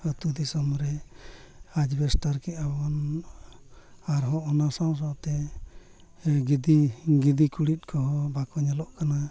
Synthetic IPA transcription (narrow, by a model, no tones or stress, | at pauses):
ət̪ud̪isɔmɾɛ | ad͡ʒbɛsʈaɾkiʔabɔn | aɾɦɔʔɔnasaws̬ɔt̪ɛ | ɡid̪iɡid̪ikuɽit̪̚kʰɔɦɔbakɔɲɛlɔʔkana